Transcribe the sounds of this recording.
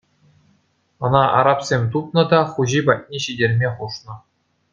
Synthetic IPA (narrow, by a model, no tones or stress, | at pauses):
ɤ̆nɑʔɑ̰ɾɑpsʲemʲt̪up̚nɤ̆d̪ɑχuʑibɑt̚ʲnʲiɕidʲerʲmʲeχuʂnɤ̆